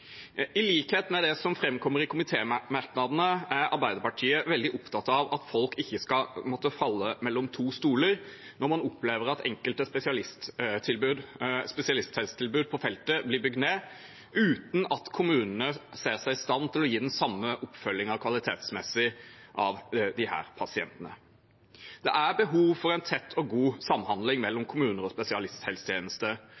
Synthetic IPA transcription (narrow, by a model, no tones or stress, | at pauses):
ɪliːkheːt̪mɛd̪ɛsɔmfɾɛmkʰɔmːəɾɪkʰʊmɪt̪ʰeːmɑɾknɑd̪nəæɾɑ̰ɾbæɪd̪əɾpɑʈʰiːəʋɛld̪ɪʔʊpt̪ʰɑt̪ɑʋɑt̪fɔlkɪçːəskɑmɔt̪ːəfɑlːəmɛlːɔmt̪ʰuːst̪uːləɾ | nɔɾmɑnʊpleːʋəɾɑt̪ʰɛ̰ŋkəlt̪əspɛsɪɑlɪst̪t̪ʰɪlbʉːd̪spɛsɪɑlɪst̪hɛt̪st̪ʰɪlbʉːd̪̚pʰɔfɛlt̪əblɪbʏɡ̚d̪neː | ʉːt̪nɑt̪kʰʊmʉːnənəseːʁsæɪɪst̪ɑnːt̪ʰɪlɔjiːd̪ɛnsɑmːəʔʊpfœlːɪŋɑkʰʋɑlɪt̪ʰḛːt̪smɛsɪʔɑʋd̪ɪhæ̰ːɾpʰɑsɪɛ̰nt̪ənə̰ | d̪̥ɛ̰ʔæbəɦuːʋfɔʁɛɪnt̪ʰɛt̪ʰːɔɡuːsɑmːhɑnd̪lɪŋmɛlːɔmkʰʊmʉːnəɾɔspɛsɪɑlɪst̪hɛlst̪ʰjeːnəst̪ə